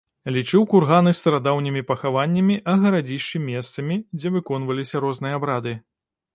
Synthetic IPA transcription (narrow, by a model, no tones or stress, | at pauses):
lʲit͡ʂɨwkurɣanɨst̪ɐɾad̪awnʲimʲipɐxavanʲːɐmʲiʔɐɣɐɾad͡zʲiʂt͡ʃɨmʲɛst̪sɐmʲid͡zʲɛvɨkɔn̪vɐlʲisʲɐɾɔznɨjɐabɾad̪ɨ